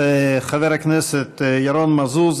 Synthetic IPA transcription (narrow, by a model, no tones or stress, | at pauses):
χavɛɾaknɛsətjaɾɔnmazuːz